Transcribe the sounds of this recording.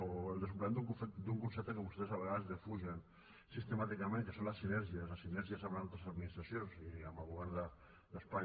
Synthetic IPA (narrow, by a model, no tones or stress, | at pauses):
oelˠd̪əs̬upleenukud̪uŋkunsɛp̚t̪əkəβust̪esaβəɣaðəzðefuʒen | sist̪emat̪ikamẽnŋkəsonlasːinɛɾʒiaslasinɛɾʒiasaβɾenalt̪ɾesaðminist̪ɾasjonsiamaβuɣand̪a | d̪əspaɲ